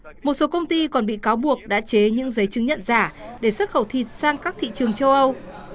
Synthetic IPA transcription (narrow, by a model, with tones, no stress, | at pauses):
mo˨˩t̚so˨˦kə˧wŋ͡mt̪i˧kɔ˨˩nɓḭ˧˨kaː˨˦wɓu˨˩ək̚ɗa̰ː˧˥t͡ɕe˨˦ɲɨ̰˧˥ŋzə˨˦jt͡ɕɨ˨˦ŋɲə̰˧˨nzaː˧˩ɗe˧˩swə˦˥t̚xə˧˩wt̪ʰi˨˩t̚saː˧ŋkaː˦˥k̚t̪ʰḭ˧˨t͡ɕɨ˨˩əŋt͡ɕə˧wʔə˧w